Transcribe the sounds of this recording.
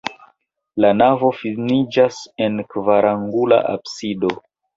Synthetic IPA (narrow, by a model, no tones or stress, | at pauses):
lanavo̞finid͡ʒase̞nkvaɾʔaŋɡula̰ʔa̰bsido̞